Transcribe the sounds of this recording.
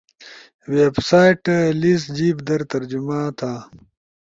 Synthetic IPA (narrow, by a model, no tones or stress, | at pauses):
websaːjʈlisd͡ʑiːbd̪ɐɾt̪ɐɾd͡ʑumaːt̪ʰaː